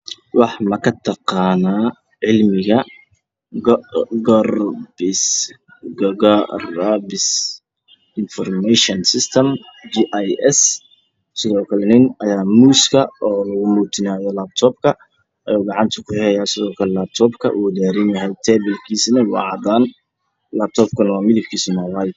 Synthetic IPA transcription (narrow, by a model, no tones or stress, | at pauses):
wɑħmɐkʰɐt̪ʰɑqɑːnaː | ʕɪlmɪɣɐ | ɡɔrbɪs | ɡrbɪs | ɪnfɔrmɛʃɔnsɪst̪ʰɐmd͡ʒiʔajɛs | sɪðɔːkʰɐlɛnɪnɐjaːmuːskʰɐɔːlɐɣʊmuːt̪ʰɪnaːjɔlaːb̚t̪ʰɔːb̚kʰɐ | ʔɐjɔːɡɑʕɑnt̪ʰʊkʰʊħɛɐjaːsɪðɔːkʰɐlɛlaːb̚t̪ʰɔːbkʰɐ̰ʔuːd̪ɛːɾɪnjɐɦɛjt̪ʰɛːbɛlkʰiːsnɐwɑ̰ʕɑd̪aːn | laːb̚t̪ʰɔːb̚kʰɐnɐwaːmɪðɪb̚kʰiːsɪnɔwajd̪